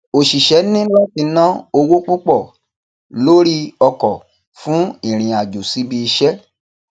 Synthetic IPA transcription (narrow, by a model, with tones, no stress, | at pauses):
o˨ʃi˨ʃɛ˨˦nĩ˦la˦ti˧˦nã˦o˧wo˦k͡pu˦k͡pɔ˦˨ | lo˦ɾi˦ɔ˧kɔ˨ | fũ˨˦i˦˨ɾ̃ĩ˨a˨d͡ʒo˨si˨˦bi˧i˧ʃɛ˦